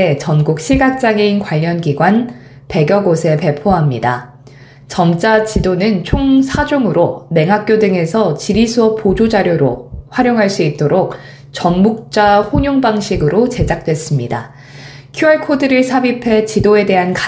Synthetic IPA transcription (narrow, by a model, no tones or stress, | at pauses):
et͡ɕʌnɡuk̚ɕʰiɭɡak̚t͡ɕ͈aŋeinkwaʎːʌnɡiɡwan | pe̞ɡjʌɡosʰe̞pe̞pʰoɦamɲida | t͡ɕʌmt͡ɕ͈at͡ɕidonɯnt͡ɕʰoŋsʰad͡ʑoŋɯɾome̞ŋɦak̚k͈jodɯŋe̞sʰʌt͡ɕiɾisʰuʌp̚pːod͡ʑod͡ʑaɾjoɾoɸwaɾjoŋɦaɭs͈uit̚t͈oɾok̚ | t͡ɕʌnmuk̚t͡ɕ͈aɸoɲoŋbaŋɕʰiɡɯɾot͡ɕe̞d͡ʑak̚t͈we̞s͈ɯmɲida̰ | kʰjuaɭkʰodɯɾɯɭsʰabipʰe̞t͡ɕidoe̞de̞ɦanka